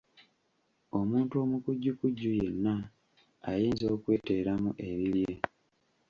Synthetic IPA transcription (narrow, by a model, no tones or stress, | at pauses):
o̞muːntuo̞mukuɟːukuɟːuje̞nːa | a̰jiːnzo̞ːkwe̞ːte̞ːɾamuʔe̞βilje̞